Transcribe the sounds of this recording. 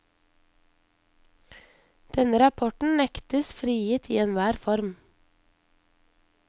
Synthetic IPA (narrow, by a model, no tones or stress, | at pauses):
d̪̥ɛnəɾɑpʰɔʈɳ̩nɛkt̪əsfɾiːiːt̪ʰiːɛnʋæːɾfɔɾm